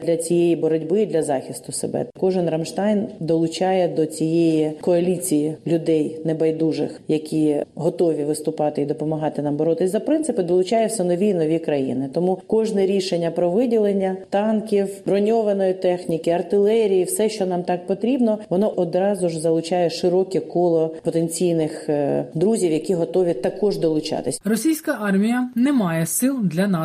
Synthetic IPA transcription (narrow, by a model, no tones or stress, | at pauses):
d̪lʲɐt͡sʲijejibɔɾɔdʲbɪd̪lʲɐzɑxʲist̪ʊsḛbɛ̰kɔʒɪnrɐmʃt̪ɑjnd̪ɔlˠʊt͡ʃɑjɛd̪ɔt͡sʲijejikɔɐlʲit͡sʲijilʲʊd̪ɛjnebɐjd̪uʐɪ̰xjɐkʲʰiɦɔt̪ɔʋʲiʋɪst̪ʊpɑt̪ɪid̪ɔpɔmɐɦɑt̪ɪnɑmbɐɾɔt̪ɪzɐpɾɪnt̪sɨpɪd̪ɔlˠʊt͡ʃɑjɛwsʲɐnɔʋʲiinɔʋʲikɾɐjḭnɪt̪ɔmukɔʒnɛɾʲiʃenʲːɐpɾɔʋɪdʲilˠenʲːɐt̪ɑnkʲiwbɾɔnʲɔʋɐnɔjit̪ɛxnʲikɪɐrt̪ɪlˠɛɾʲijiwsɛʃt͡ʃɔnɑmt̪ɑk̚pɔt̪ɾʲibnɔʋɔnɔʔɔd̪ɾɑzʊʒzɐlˠʊt͡ʃɑjɛʃɪɾɔkʲɛkɔlˠɔpɔt̪enʲt͡sʲijnɪxd̪ɾuzʲiwjɐkʲiɦɔt̪ɔʋʲit̪ɐkɔʒd̪ɔlˠʊt͡ʃɑ̰t̪ɪsʲrɔsʲijsʲkɐʔɑrmʲijɐnɛmɑjɛsɪlˠd̪lʲɐnɑ